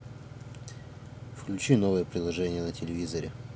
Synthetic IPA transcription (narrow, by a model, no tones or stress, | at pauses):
fklʲʉt͡ɕino̞vəjəpɾʲɪlˠɐʐɛnʲɪjənətʲɪlʲɪvʲizəɾʲɪ